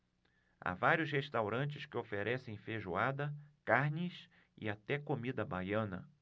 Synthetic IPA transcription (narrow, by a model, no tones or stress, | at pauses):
a̰vaɾjʊsheʃt̪awɾɐ̃nt͡ʃɪskɪofeɾʔɛsẽj̃feʒuad̪ɐkaɾnʲɪs | ɪ̰at̪ɛkomid̪ɐbajɐ̃nɐ̰